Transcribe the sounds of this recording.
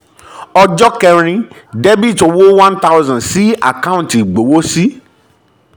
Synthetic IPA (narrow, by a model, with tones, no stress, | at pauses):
ɔ˧d͡ʒɔ˦kɛ˧ɾ̃ĩ˧dɛ˦bi˦˨to˧wo˦wã˦nta˦wzã˨si˦a̰˨ka˦ũ˦n˨ti˨ɡ͡bo˨wo˦si˦